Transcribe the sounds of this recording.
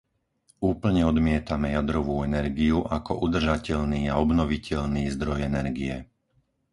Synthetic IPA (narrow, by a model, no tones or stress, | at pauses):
uːpl̩ɲɛɔd̪mɪɛt̪amɛjad̪ɾɔʋuːɛnɛɾɡiuʔakɔ̰ʔud̪r̩ʒacɛʎniːaɔbnɔʋicʰɛʎniːzd̪ɾɔjɛnɛɾɡiɛ